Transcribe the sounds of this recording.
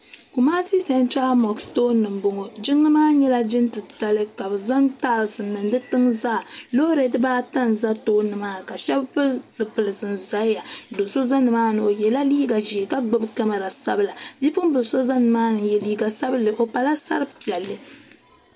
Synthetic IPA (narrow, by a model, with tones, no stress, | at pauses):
ku˨maː˦si˦sa˨˦n˦t͡ʃa˦mɔ˨ksto˦nɨ˨mbo˨ŋo˨d͡ʒi˦ŋːɨ˦maː˦ɲɛ˦la˦d͡ʒɪ˦ntɨ˨ta˨lɨ˦ka˨bɨ˨za˦nta˦˨sɨ˨nːɨ˨n˦dɨ˦tɨ˦mza˦˨lo˦ɾe˨˦dɨ˦baː˦ta˦nza˦toː˦nɨ˨ma˦ka˨ʃɛ˦bpɨ˦zɨ˨pɨ˨lɨ˨sɨ˨nza˦ja˨do˨so˦za˦nɨ˨maː˦nɨ˨o˨jɛ˨la˦li˦ɡa˨ʒi˨e˨ka˦ɡ͡bɨ˦bɨ˦ka˦ma˨ɾa˨sa̰˦bɨ˦la˨bi˦pʊ˦m˦bɨ˨so˦za˦nɨ˨maː˦nɨ˨jɛ˨liː˦ɡa˨sa˦bɨ˦lɨ˨ʔo˨pa˨la˦sa̰˦ɾɨ˦pi˨ɛ˨lːɨ˨